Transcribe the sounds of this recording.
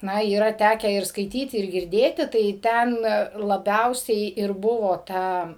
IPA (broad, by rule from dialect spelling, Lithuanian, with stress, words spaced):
ˈnɐ iːˈrɐ ˈtʲæːkʲæː ɪr skɐɪˈtʲiːtʲɪ ɪr ɡʲɪrʲˈdʲeːtʲɪ tɐɪ ˈtʲɛn lˠɐˈbʲɛʊsʲɛɪ ɪr ˈbʊʋoː ˈtɐ